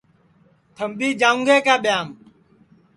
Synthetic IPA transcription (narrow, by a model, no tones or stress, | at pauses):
t̪ʰəmɓiːd͡ʒaːũŋɡʱeːkaːɓɪjaːm